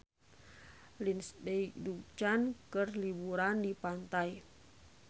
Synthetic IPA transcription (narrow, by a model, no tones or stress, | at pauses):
linsdeik̚dut͡ʃankərlibuɾandipant̪aj